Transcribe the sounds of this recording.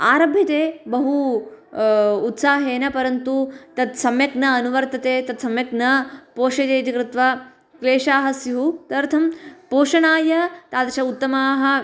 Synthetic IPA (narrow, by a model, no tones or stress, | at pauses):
aːɾɐbʱjɐt̪eːbɐɦu | t̪saːɦeːnɐpɐɾɐnt̪ut̪ɐt̪sɐmjɐknɐːnuʋɐɾt̪ɐt̪eːt̪ɐt̪sɐmjɐknɐpoːʃɐd̪eːjt̪̬ikɾɪt̪ʋɐ | kleːʂaːɦɐsjuɦut̪ɐɾt̪ʰɐmpoːʂɐnaːjɐt̪aːd̪ɐʃɐut̪ːɐmaːɦɐ̆